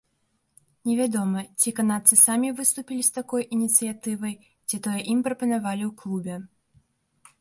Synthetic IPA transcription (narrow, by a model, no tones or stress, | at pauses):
nʲɛvʲad̪ɔmɐt͡sʲikanat̪sɨsamʲivɨst̪upʲilʲist̪akɔjʔinʲit̪sɨjat̪ɨvɐj | t͡sʲit̪ɔjɛʔimpɾɐpɐnavalʲiwklˠubʲɛ